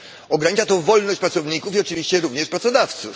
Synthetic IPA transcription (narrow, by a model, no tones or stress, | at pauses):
ɔɡɾaɲit͡ʂat̪ɔvɔlnɔɕt͡ɕpɾat̪sɔvɲikufiɔt͡ʂɘvʲiɕt͡ɕɛɾuvɲɛʂpɾat̪sɔd̪aft̪sṵf